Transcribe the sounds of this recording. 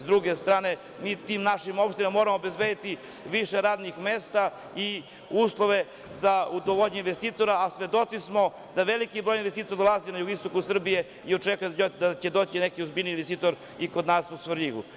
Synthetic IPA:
zd̪ɾuɡest̪ɾaːne̞ | miːt̪imnaʃimo̞pʃt̪inemamo̞ɾamoːbe̞zbed̪it̪i | ʋiʃeɾaːd̪nixmeːst̪a | i | uːslˠoʋe̞ | zaud̪oʋoʎɲeinʋest̪iːt̪o̞ɾaːsʋed̪o̞t̪sismo̞ | d̪aʋelikibɾo̞jinʋest̪iːt̪oɾd̪olˠazinajuɡist̪o̞kusr̩bije̞ | io̞t͡ʃekujed̪at͡ɕed̪ot͡ɕinekiozbiːlniːnʋest̪iːt̪o̞ɾ | ikod̪naːsusʋɾʎiɡṵ

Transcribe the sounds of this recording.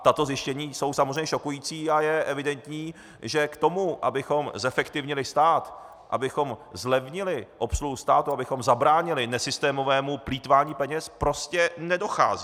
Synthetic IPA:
t̪at̪o̞zjɪʃcɛɲiːso̞wsamozr̝ɛɲɛʃokujiːt͡siːajɛʔɛvɪdɛnt̪ɲiː | ʒɛkt̪o̞muʔa̰bɪxo̞mzɛfɛkt̪ɪvɲɪlɪst̪aːt̪ | ʔa̰bɪxo̞mzlɛvɲɪlɪʔo̞psluɦust̪aːt̪uabɪxo̞mzabɾaːɲɪlɪnɛsɪst̪ɛːmo̞vɛːmupliːt̪vaːɲiːpɛɲɛspɾo̞scɛnɛdo̞xa̰ːzi

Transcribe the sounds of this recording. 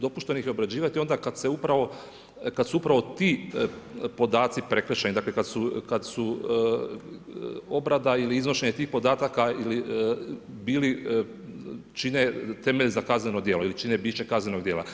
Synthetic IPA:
d̪o̞puʃt̪enixjeobɾad͡ʑiːʋat̪io̞nd̪akad̪seupɾaʋo̞ | kad̪suupɾaʋo̞t̪iː | po̞d̪aːt̪sipɾe̞kɾet͡ʃenid̪aːklekad̪sukad̪su | o̞bɾad̪ailiiznoʃeɲet̪iːxpo̞d̪aːt̪akaili | biːli | t͡ʃinet̪e̞meʎzakazneno̞d̪jeloilit͡ʃinebiːt͡ʃe̞kaznʲeno̞ɡd̪je̞ːlˠa̰

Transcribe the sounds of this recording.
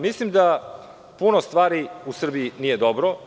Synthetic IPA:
mislimd̪a | punost̪ʋaːɾiusr̩biinije̞d̪obɾo

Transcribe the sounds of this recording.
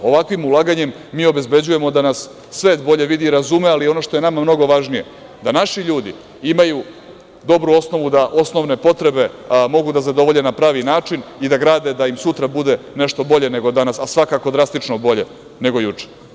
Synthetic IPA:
o̞ʋakʋimulˠaɡaɲe̞mːiːo̞be̞zbe̞d͡ʑuje̞mo̞d̪anasː | ʋe̞ːt̪bo̞ʎe̞ʋid̪iɾazumealio̞no̞ʃt̪o̞jenamamno̞ɡo̞ʋaʒnije̞ | d̪anaʃiʎuːd̪ḭ | imaju | d̪o̞bɾuo̞sno̞ʋud̪aʔo̞sno̞ʋne̞po̞t̪ɾe̞be̞mo̞ɡud̪azad̪o̞ʋo̞ʎe̞napɾaːʋinaːt͡ʃinid̪aɡɾaːd̪e̞d̪aimsut̪ɾabud̪e̞ | ne̞ʃt̪o̞bo̞ʎe̞ne̞ɡo̞d̪anasasʋakako̞d̪ɾast̪it͡ʃno̞bo̞ʎe̞̰ | ne̞ɡo̞jut͡ʂe̥

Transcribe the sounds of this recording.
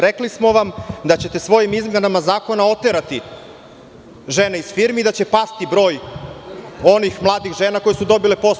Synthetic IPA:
ɾeklismo̞ʋamd̪at͡ɕe̞t̪e̞sʋo̞jimizmʲjenamazaːko̞nao̞t̪eɾat̪i | ʒe̞ne̞iz̥fiːɾmeid̪at͡ɕe̞past̪ibɾo̞ːj | o̞nixmlˠaːd̪ixʒe̞ːnakojesud̪o̞bile̞po̞s

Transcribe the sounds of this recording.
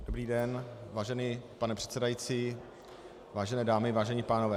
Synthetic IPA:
dobɾiːdɛnvaːʒɛniːpanɛpr̥ɛ̥t̪sɛdajit͡siː | vaːʒɛnɛːdaːmɪvaːʒɛɲɪpaːnovɛː

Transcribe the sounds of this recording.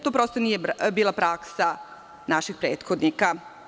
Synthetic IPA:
t̪oːpɾo̞ːst̪onijebiːlˠapɾaksa | naʃixpɾeːt̪xod̪nika

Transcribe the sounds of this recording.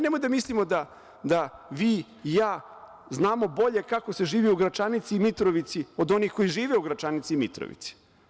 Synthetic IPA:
nemojd̪amislimo̞d̪a | d̪aʋiː | jaː | znaːmo̞bo̞ʎe̞kako̞seʒiːʋiuɡɾat͡ʃanit̪siːmit̪ɾoʋit̪sio̞d̪o̞nixko̞jiʒiːʋeuɡɾat͡ʃanit̪siːmit̪ɾo̰ʋḭt̪si̥

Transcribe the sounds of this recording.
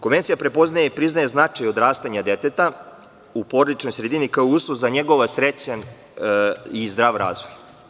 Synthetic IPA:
koʋe̞nt̪sijapɾe̞po̞znajepɾiznajeznat͡ʂajo̞d̪ɾaːst̪aɲad̪et̪et̪a | upo̞ɾad̪it͡ʃno̞jsɾed̪inikaouːslˠozaɲeɡo̞ʋasɾet͡ɕan | izd̪ɾaːʋɾa̰ːzʋoj

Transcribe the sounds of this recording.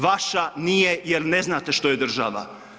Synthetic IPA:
ʋaʃanijejeɾne̞znaːt̪e̞ʃt̪oje̞d̪r̩ʒaʋa̰

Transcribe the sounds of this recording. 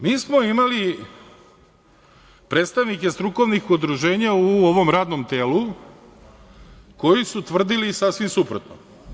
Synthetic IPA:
miːsmo̞imali | pɾeːt̪st̪aʋnikest̪ɾuko̞ʋnixud̪ɾuʒe̞ːɲauoʋo̞mɾaːd̪nomt̪e̞ːlu | ko̞jisut̪ʋr̩d̪ilisasʋimsupɾot̪no̰

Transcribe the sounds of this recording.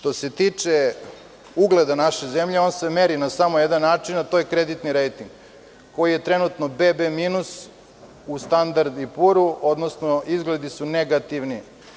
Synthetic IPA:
ʃt̪o̞se̞t̪it͡ʂe | uɡled̪anaʃezemʎeoːnsemeɾinasamojed̪anːaːt͡ʂinat̪o̞jekɾe̞d̪it̪niɾejt̪iŋɡ | ko̞jije̞t̪ɾe̞nut̪no̞bebemiːnus | ust̪and̪aɾd̪ipuɾuo̞d̪nosnoizɡled̪isuneɡat̪iʋni

